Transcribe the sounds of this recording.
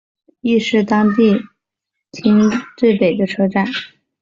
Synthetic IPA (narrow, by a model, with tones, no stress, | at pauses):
i˥˧ʂɻ̩˥˩t̪ɑ˥ŋt̪i˥˩˧ | t̪ʰi˥ŋʈ͡ʂwe˥˩pe˨˩ɪd̪ə˦ʈ͡ʂʰɤ˥ʈ͡ʂa˥˩n